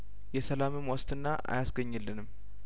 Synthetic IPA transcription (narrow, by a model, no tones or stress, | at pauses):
jɛsəlamɨmwɔst̪ɨnːaʔa̰jasɡəɲːɨlːɨnɨm